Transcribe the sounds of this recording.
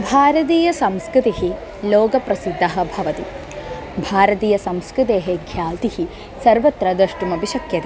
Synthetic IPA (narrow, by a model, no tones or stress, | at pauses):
bʱaːɾɐt̪̬iːjɐsɐmskɾɪt̪iɦi | loːɡɐpɾɐsid̪ʱːɐɦɐ̆bʱɐʋɐt̪i | bʱaːɾɐt̪iːjɐsɐmskɾɨt̪eːɦeɡʰʱjaːlt̪ihi | sɐɾʋɐt̪ɾɐd̪ɐʂʈumɐbiʃɐkjɐt̪i